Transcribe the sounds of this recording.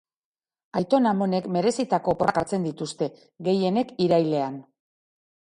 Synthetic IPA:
ajt̪o̞namo̞ne̞kme̞ɾe̞sit̪ako̞pokaɾt͡se̞nd̪it̪ust̪e̞ | ɡe̞je̞ne̞kiɾajle̞an

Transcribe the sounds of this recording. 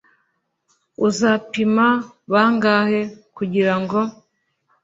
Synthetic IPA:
uzapima | βaːŋɡahe̞kuɟiɾaŋɡo̞

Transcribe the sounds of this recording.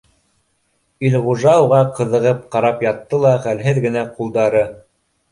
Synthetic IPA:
ilʁuʒɑwuʁɑqɤ̆ðɤ̆ʁɤp̚qɑɾɑpjɑt̪ːɤlˠɑχælɦɘðɡɘ̆næqulˠd̪ɑɾɤ

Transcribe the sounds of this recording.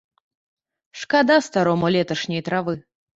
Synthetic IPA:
ʂkad̪ast̪aɾɔmɔlʲɛt̪ɐʂnʲɛjt̪ɾavɨ

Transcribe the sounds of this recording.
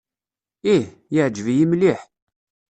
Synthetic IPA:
ih | jəʕd͡ʒvijimliħ

